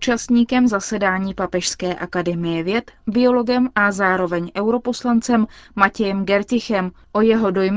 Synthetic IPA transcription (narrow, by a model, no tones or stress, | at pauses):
ut͡ʃast̪ɲiːkɛmzasɛdaːɲiːpapɛʃskɛːʔakadɛmɪjɛvjɛt̪bɪo̞lo̞ɡɛmʔazaːɾo̞vɛɲʔɛwɾo̞po̞slant͡sɛmːacɛjɛmɡɛɾcɪxɛm | ʔo̞jɛɦo̞do̞jm